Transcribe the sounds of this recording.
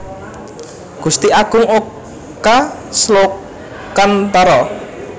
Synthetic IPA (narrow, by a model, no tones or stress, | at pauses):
ɡ̥ust̪iʔaɡ̥ʊŋok | kaslo | kant̪ɔɾɔ